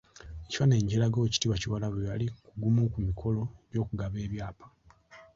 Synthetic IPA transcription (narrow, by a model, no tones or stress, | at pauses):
eci̥fane̞ːɲɟelaɡoci̥tiβaciwalaβeβalikuɡumukumikʰo̞lo̞eβjo̞ːkuɡaβe̞ːβjaːpḁ